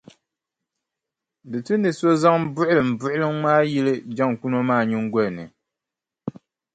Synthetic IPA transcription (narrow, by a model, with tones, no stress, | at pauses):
dɨ˨tɨ˦nɨ˨so˦za˦ŋbʊ˦ʔʊ˦lɨ˨m̩˨bʊ˦ʔʊ˦lɨ˦ŋmaː˦ji˦lɨ˦d͡ʒa˦ŋ˨ku˦no˦maː˦˨ɲi˦ŋ˦ɡɔ˦˨nɨ̰˨